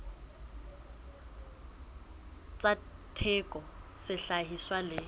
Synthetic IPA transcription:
t͡sʼatʰɛkʼɔsɪɬaɦiswalɪ

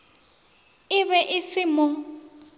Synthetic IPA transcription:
ɪβɛʔɪsɪmʊ

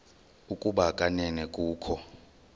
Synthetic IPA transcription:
ukʼuɓakʼanɛnɛkʼuːkʰɔ

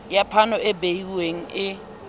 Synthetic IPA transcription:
japʰanɔɪbeiweŋ̩ɪ

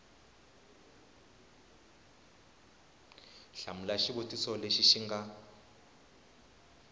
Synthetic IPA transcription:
ɬam̩laʃibotʼisɔleʃiʃiŋɡa

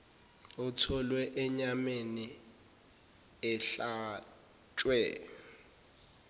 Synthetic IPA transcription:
utʰɔlwɛʔɛɲameni | ɛɬa | t͡ʃʼwɛ

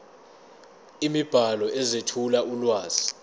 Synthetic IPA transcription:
imib̥ʱalɔʔɛzetʰulaʔulwaːz̥i

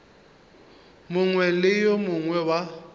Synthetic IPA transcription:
mʊŋwɛlɪjɔmʊŋwɛwa

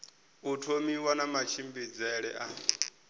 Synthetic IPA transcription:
utʰomiwanamat͡ʃʰimbed͡zaɛɺɛ̰ʔa

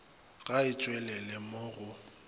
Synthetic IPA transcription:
ɣaɪt͡ʃʼwɛlɛlɪmoːɣʊ

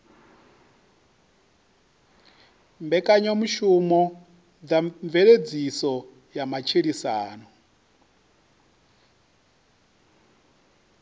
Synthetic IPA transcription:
mbɛkʼaɲomuʃumɔ | d͡zaɱvɛɺed͡zisɔ | jamat͡ʃʰiɺisaːnɔ

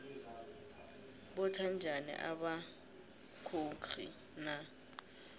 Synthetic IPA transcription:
bɔtʰand͡ʒʱanḭʔaɓa | kʰokʰḭ | na

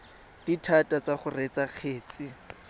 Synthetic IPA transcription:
d̥itʰatʼat͡saχʊret͡sak͡xʰeːt͡si

